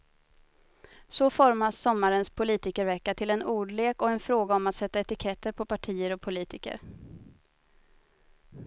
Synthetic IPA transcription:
sɔfɔɾmasːɔmːaɾənspʰʊliːt̪ɪkəɾvɛkːat̪ʰɪlɛnuːɖɭeːkɔɛnfɾoːɡaɔmat̪sɛt̪ːaɛt̪ɪkʰɛt̪ːəɾpʰɔpʰaʈʰiːəɾɔpʰʊliːt̪ɪkə̰ɾ

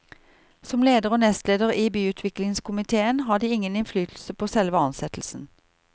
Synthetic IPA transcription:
sɔmleːd̪əʁoːnɛst̪leːd̪əʁiːbyːʉːt̪ʰʋɪklɪŋskʊmɪt̪ʰeːənɦɑːd̪iːɪŋənɪnflyːt̪ʰl̩səpʰoːsɛlʋəɑnsɛt̪l̩sn̩

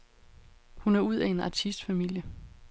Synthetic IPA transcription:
hunæɐuð̞̰ˠæe̝nɑ̈t͡sʰisd̥fæmil̰jə

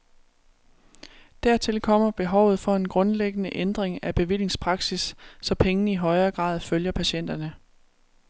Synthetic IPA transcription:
d̥æɐ̰t͡sʰe̝lkʰɒ̽m̰ɐb̥e̝ɦɒʊ̰ð̞̩ˠfɒ̽e̝nɡ̥ʁɔ̽nleɡ̥ənəʔend̥ʁeŋæb̥e̝ʋil̰je̝ŋspʰʁɑ̈ɡ̥sisːɒ̽pʰeŋnəiɦɒ̽ɪɐːɡ̥ʁɑ̰̈ːðˠføljɐpʰæɕen̰d̥ɐnə

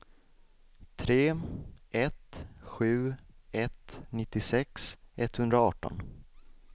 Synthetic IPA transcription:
t̪ʰɾeːɛt̪ɧʉ̟ːɛt̪nɪt̪ːɪsɛksɛt̪hɵnd̪ɾaɑːʈɔ̰n

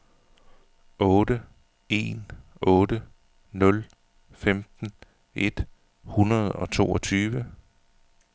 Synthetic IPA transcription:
ʔɔ̽ːdə | e̝̰ːnʔɔ̽ːdə | nɔ̽l | femd̥n̩ | ʔe̝d̥ | hunɐð̞ˠɒ̽t͡sʰo̝̰ːɒ̽t͡sʰyːʋə

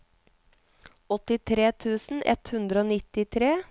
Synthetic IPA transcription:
ɔt̪ɪt̪ʰɾeːt̪ʰʉːsn̩ʔɛ̰t̪hʉnd̪ɾəoːnɪt̪ɪt̪ʰɾeː

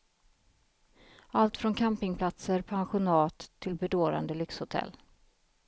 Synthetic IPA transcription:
alt̪fɾɔnkʰampɪŋpʰlat̪səɾpʰanɧʊnɑːt̪ʰːɪlbɛd̪oːɾa̰nd̪əlʏkshʊt̪ʰɛ̰lː

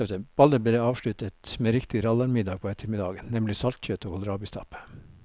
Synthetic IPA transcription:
b̥ɑləbled̪ɑːʋʃɭʉt̪ət̪meːɾɪkt̪ɪɾɑlɑɾmɪd̪ɑːɡ̚pʰoːɛt̪ʰəɾmɪd̪ɑːɡənnɛmlɪsɑlt̪çøːt̪oːɡhʊlɾɑːbɪst̪ʰɑ̰p

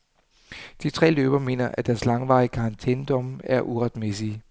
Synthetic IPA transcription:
d̥it͡sʰʁɛ̰ːløːb̥ɐme̝̰ːnɐʔæd̥æɐslɑ̈ŋʋɑ̈ɪkʰɑ̈ɑnt͡sʰend̥ɒ̽mæɐʔuʁad̥mesi

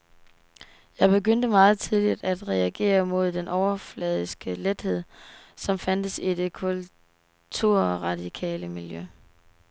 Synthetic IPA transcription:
jɑ̈ɪb̥e̝ɡ̥øn̰d̥əmɑ̈ːð̞̩ˠt͡sʰiðˠlid̥æd̥ʁɛæɡ̥e̝̰ːɐmo̝ð̞̰ˠd̥enʔɒʊɐflɛð̞ˠisɡ̥əled̥he̝ð̰ˠsɒ̽mfænd̥əsid̥e̝kʰul | t͡sʰuɐ̰ɒʁɑ̈d̥ikʰɛ̰ːləmiljø

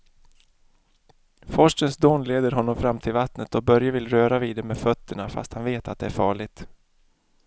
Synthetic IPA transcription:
fɔʂʈənsd̪oːnleːd̪əɾɦɔnːɔmfɾamːt̪ʰɪlvat̪nət̪ɔbœɾjavɪlɾøːɾaviːd̪ɛmeːdfœt̪ʰːəɳafa̰st̪hanveːt̪at̪̚d̪ɛæɾfɑːɭɪɡt̪

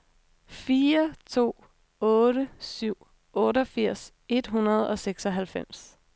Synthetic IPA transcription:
fiːɐt͡sʰo̝̰ː | ɔ̽ːɾəsyʊ̰ | ɔ̽ːɾəɒ̽fiɐ̰s | e̝d̥ɦunɐð̞ˠɒ̽seɡ̥sɒɦælfem̰s

